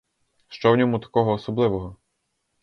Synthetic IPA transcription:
ʃt͡ʃɔwnʲɔmut̪ɐ̥kɔɦɔːsɔblˠɪʋɔɦɔ

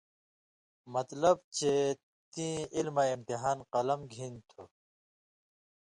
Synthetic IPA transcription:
mɐt̪lɐb̚t͡ɕʰe | t̪ĩilmaimt̪iɦaːnqɐlɐmɡʱĩnt̪ʰu

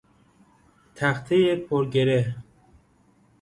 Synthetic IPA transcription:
t̪ʰæxt̪ʰejepʰoɾɡeɾeɦ

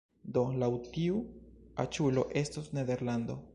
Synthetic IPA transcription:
d̪olawtiua̰t͡ʃulo̞ʔe̞stosned̪e̞ɾland̪o̞̰

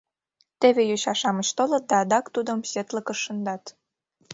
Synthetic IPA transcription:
t̪eβejoɕɑʃɑmət͡ɕt̪olɤ̆t̪̚d̪ɑːd̪ɑkt̪ud̪əmset̪lə̆kə̆ʃːənd̪ɑt̪

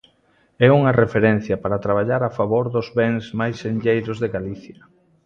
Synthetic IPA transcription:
ɛuŋɐrefeɾɛn̟θjɐpaɾat̪ɾaβ̞aʎaɾafaβoɾðʊzβɛŋzmajsenʎejɾʊzðeɣaliθjɐ

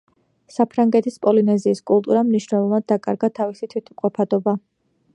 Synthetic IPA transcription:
sapʰɾaŋɡɛt̪ʰispʼɔlinɛziːskʼulˠt̪ʼuɾamniʃnɛlˠɔvad̪̚ːakʼa̰ɾɡat̪ʰavisit̪ʰwit̪ʰmqʼɔpʰad̪ɔba

